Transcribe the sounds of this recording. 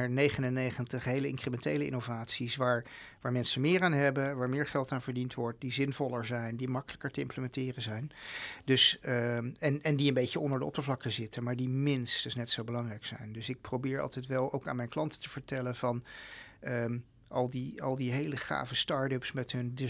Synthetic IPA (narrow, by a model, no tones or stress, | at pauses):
ɛɹnejχənənːejχəntəχɦejləɪŋkrəmɛntejləɪ̰novaːtsisʋaːɹʋaːɹmɛnsəmɪːɹaːnɦɛbəʋaːɹmɪːɹχɛlˠtaːnvəɹdintʋɔɹt̚dizɪnvɔlˠəɹzɛjndimɑkələkəɹtəɪ̰mpləmɛntɪːrəzɛjndɵs | ɛnʔɛndiənbejçəɔndəɹdəɔ̰pəɹvlɑkəzɪtəmaːɹdimɪnstəsnɛtsowbəlɑŋrɛjksɛ̰jndɵsɪk̚prowbɪːɹɑ̰lˠtɛjtʋɛlˠowka̰ːnmɛjnklɑntə̥təv̥əɹtɛlənvɑn | ə | ʔɑlˠdiɑ̰lˠdiɦejləχa̰ːvəstɑːɹdəpsmɛtɦɵndə